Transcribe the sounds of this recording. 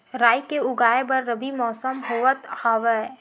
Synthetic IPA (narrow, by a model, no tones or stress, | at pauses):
ɾaːjkeʊɡaːebɐɾːɐbimɔːsəmɦoʋət̪haːʋɛ